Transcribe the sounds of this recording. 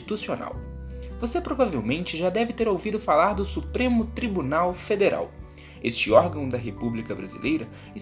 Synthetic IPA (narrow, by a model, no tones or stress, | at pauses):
it̪usiona̰w | vosepɾovavewmẽnt͡ʃɪʒad̪ɛvɪt̪eɾowvid̪ʊfalaɾd̪ʊsupɾẽmʊt̪ɾibunawfed̪eɾʔa̰w | est͡ʃɪɔɾɡɐ̃w̃d̪ɐɦepublikɐbɾazḭlejɾɐ | ɪ